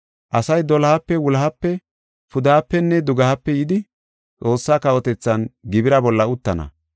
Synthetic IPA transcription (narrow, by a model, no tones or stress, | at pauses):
ʔɐsɐjd̪ɔlɐhɐpːɛwʊlɐɦɐpːɛ | fʊd̪ɐɐpːɛnːɛd̪ʊɡɐhɐpːɛjɪd̪ɪ | t͡sʼo̞ːsːaːkɐʔɔt̪ɛt͡sːɐnɡɪbɪɾɐbɔlːɐʊt̪ːɐnɐ̰